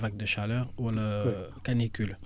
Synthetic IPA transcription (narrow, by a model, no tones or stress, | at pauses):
vaɡ̚d̪əʃalœʁwalakanikyl